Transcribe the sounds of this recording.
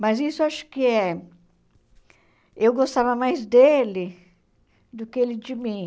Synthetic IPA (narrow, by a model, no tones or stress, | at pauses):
mɐzisʊaʃʊ̥kɪɛ | ewɡost̪avɐmajzd̪elɪ | d̪ʊkɪelɪd͡ʒɪmĩ